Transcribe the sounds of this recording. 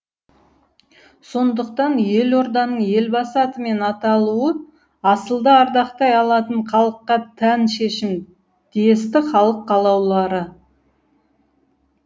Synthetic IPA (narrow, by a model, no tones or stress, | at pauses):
so̞nd̪əqt̪ɑnje̞lo̞ɾd̪ɑnəɴje̞lbɑsɑt̪əme̞nɑt̪ɑlˠuə | ɑsəlˠd̪əɑɾd̪ɑqt̪ɑjɑlˠɑt̪əɴqʰɑlˠəqːɑt̪ʰænʃe̞ʃɪm | d̪̥ejest̪ɪχɑlˠəqːɑlˠɑwlˠɑɾə